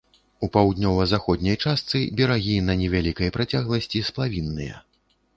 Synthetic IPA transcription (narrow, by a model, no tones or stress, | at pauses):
upawd̪ʲnʲɔvɐzaxɔd̪ʲnʲɐjt͡ʂast̪sɨbʲɛɾaɣʲinɐnʲɛvʲalʲikɐjpɾat͡sʲaɣlˠɐsʲt͡sʲisplˠavʲinːɨjɐ̰